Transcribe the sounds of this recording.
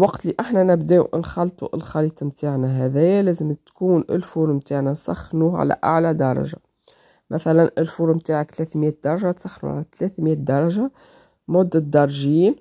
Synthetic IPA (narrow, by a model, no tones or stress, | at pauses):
lwɑqt̪liʔaħnænɪbd̪ɛːṵʔɪnxɑlt̪ˤuʔɪlxɑliːt̪ˤmt̪aʕnæɦæðæjːælæːzəmt̪kuːnʔɪ̰lfuːɾmt̪aːʕnæsˤɑ̰xːnuʕa̰læ̰ʔa̰ʕlæd̪ɑɾˤɑ̰ʒa̰ | mæθælænʔɪlfuːɾmt̪aːʕakt̪læθmjɛːd̪ɑɾˤɑʒat̪sˤɑxːnṵʕa̰læt̪læθmjæːd̪ɑɾˤɑʒa | mʊd̪ːəd̪ɑɾˤʒiːn